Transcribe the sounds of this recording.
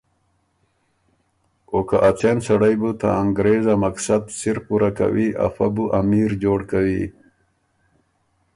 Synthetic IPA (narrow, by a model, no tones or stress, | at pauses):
okaʔat͡sensaɽajbut̪a̰aŋɡɾezamaksad̪siɾpuɾaka̰wiʔa̰fabuʔamiɾd͡ʑoːɽkawi